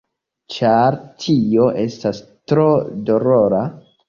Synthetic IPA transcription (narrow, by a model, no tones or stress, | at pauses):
t͡ʃaɾtʰio̞ʔe̞stas | tɾodo̞ɾoɾa